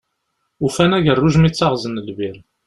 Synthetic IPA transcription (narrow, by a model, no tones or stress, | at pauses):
ufænæʝərˤːʊʒmit͡sːaʁzənəlviɾ